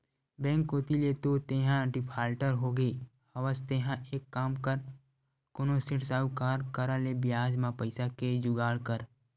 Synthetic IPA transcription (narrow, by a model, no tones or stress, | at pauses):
bɛ̃ːŋkoːt̪ilet̪ot̪eːɦãɖipʰaːlʈəɾɦoːɡeː | həʋəst̪eːɦãʔeːkːaːmkəɾ | konosɪʈsaːwkaːɾkəɾalebɪjaːd͡ʒmãpəɪsaked͡ʒʊɡaːɽkəɾ